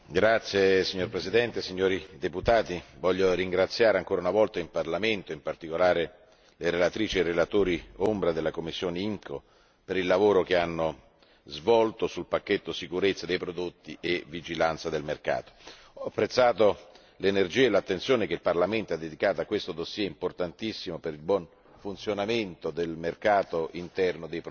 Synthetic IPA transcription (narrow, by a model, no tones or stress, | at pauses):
ɡɾat̪sːjesiɲːorpɾezid̪ɛnt̪esiɲːoːɾid̪eput̪aːt̪ivɔʎːoɾiŋɡɾat̪sːjaːɾeaŋkoːɾaunavɔlt̪aimparlament̪oimpart̪ikolaːɾe | leɾelat̪ɾiːt͡ʃierelat̪oːɾiombɾad̪elːakomːisːjoːneiŋkʰo̰ | peɾilːavoːɾokeanːo | zvɔlt̪osulpakːet̪ːosikuɾet̪sad̪ejpɾod̪ot̪ːiʔevid͡ʒilant̪sad̪elmerka̰ːt̪o̥ | ɔapːɾet̪sːaːt̪o | lenerd͡ʒiːaelat̪ːent̪sjoːnekeilparlament̪oad̪ːed̪ikaːt̪oakːwest̪od̪osjɛimport̪ant̪isːimopeɾilbwɔn | funt̪sjonament̪od̪elmerkaːt̪oʔint̪ɛrnod̪ejpɾ